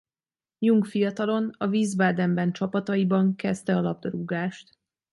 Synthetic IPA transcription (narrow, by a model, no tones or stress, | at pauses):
juŋɡfijɒt̪ɒlo̞nɒviːzbaːd̪ɛmbɛnt͡ʃɒpɒt̪ɒibɒŋkɛst̪ɛɒlɒb̚d̪oɾuɡaːʃt̪